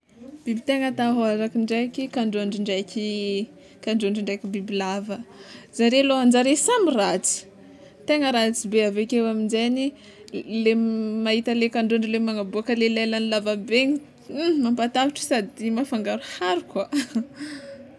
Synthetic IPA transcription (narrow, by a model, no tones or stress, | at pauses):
b̥ibit̪eŋət̪aɦoazakiɳɖ͡ʐajkʲikaɳɖ͡ʐoɳɖ͡ʐiɳɖ͡ʐajkʲi | kaɳɖ͡ʐuɳɖ͡ʐiɳɖ͡ʐajkʲibibilavəzaɾeloand͡ʒaɾesamirat͡si̥ | t̪eŋəɾat͡sibeavekewaminzeni | lemaɦit̪əlekaɳɖ͡ʐoɳɖ͡ʐilemaŋabuakəlelalanilavabeɲ | mampat̪aviʈ͡ʂsad̪imafaŋɡaɾuhaɾukwa